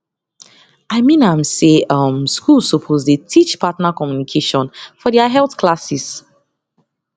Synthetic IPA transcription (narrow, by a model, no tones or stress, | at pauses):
aɪmĩnãmseʌ̃mskulˠsopʰozdetʰit͡ʃpʰatnakɔmjunikʰeʃɔ̃nfɔdiaɦɛlˠθkʰlasis